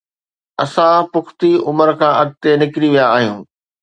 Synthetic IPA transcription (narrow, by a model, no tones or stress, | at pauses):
ɐsãpʊxkʰt̪iʊməɾkʰãːʔɐɡ̚t̪enɪkɪɾiʋijaːɦijũː